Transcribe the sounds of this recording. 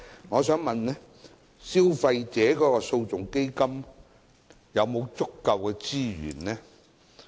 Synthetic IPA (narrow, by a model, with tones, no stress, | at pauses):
ŋɔː˨˧sœː˨˥ŋmɐ˨nnɛː˥ | si˥wfɐ˧jt͡sɛː˨˥kɔː˨˥kɔː˧so˧wt͡sʊ˨ŋke˥jkɐ˥m | jɐ˨˧wmo˨˧wt͡sʊ˥kːɐ˧wkɛː˧t͡siː˥ɥy̰ː˨˩nlɛː˥